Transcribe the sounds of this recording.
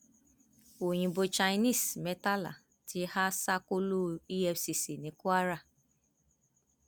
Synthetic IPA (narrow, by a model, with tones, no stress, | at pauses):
o˨ɲĩ˨bo˨t͡ʃa˧˦ni˦˨sme˨ta˦la̰˨ | tʰi˧ha˦sa˦ko˦lo˦i˦jɛ˧si˨si˨ne˨ku˦a˦ɾa˦˨